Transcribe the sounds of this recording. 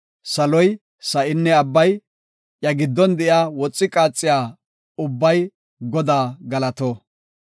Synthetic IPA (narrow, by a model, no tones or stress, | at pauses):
sɐlɔj | sɐʔɪnːɛɐbːɐj | jɐɡɪd̪ːɔnd̪ɛʔjaːwɔt͡sʼːɪkʼaːt͡sʼːɪjaː | ʊbːɐj | ɡɔd̪aːɡɐlɐt̪oː